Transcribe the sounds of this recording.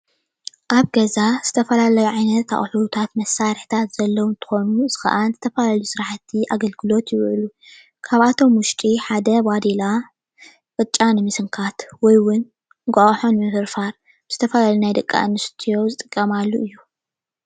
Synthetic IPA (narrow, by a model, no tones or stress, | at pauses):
ʔaβɡɐzaz̥ɨt̪ʰɐfɐlalɐjuʕajnɐt̪ːa̰χʼħut̪ʰat̪mɐsːaɾħt̪ʰat̪z̥ɐlːɐwunt̪ʰɨ̥xo̞nuzɨxɐ̰ʔanzɨt̪ʰɐfɐlaljusɨɾaħat̪ʰːiʔaɡɐlɡɨlo̞t̪jɪwʕlu | kʰaβat̪ʰo̞mwʊʃt̪ʼiħad̪ɐbad̪ila | qʼɨt͡ʃʼːanɨmɨsɨŋkʰat̪wɔjwʊn | ɡʷʼaχʼħo̞nmɨfɨɾfaɾ | ɨz̥ɨt̪ʰɐfɐlalunajd̪ɐkʼːa̰ʔɨnːɨst̪ʰijo̞zɨt̪ʼɨkʼːɐmalːuʔɨjːu